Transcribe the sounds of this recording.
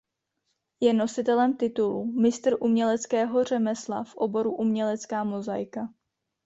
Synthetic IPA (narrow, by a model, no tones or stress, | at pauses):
jɛno̞sɪt̪ɛlɛmt̪ɪt̪ulumɪst̪r̩ʔumɲɛlɛt͡skɛːɦo̞r̝ɛmɛsla̰fʔo̞bo̞ɾuʔumɲɛlɛt͡skaːmo̞zajka